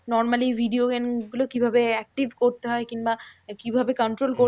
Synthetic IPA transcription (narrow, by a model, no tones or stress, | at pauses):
nɔɾmalibʱiɖioɡenɡulokibʱabeɛk̚ʈibʱkoɾt̪eɦɔekinbakibʱabekɔɳʈɾolko